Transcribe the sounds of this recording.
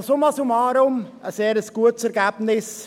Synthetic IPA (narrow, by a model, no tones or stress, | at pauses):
somɑsumɑːɾʊm | əsɛːɾəsɡ̥uətsɛɾɡæːb̥nɪs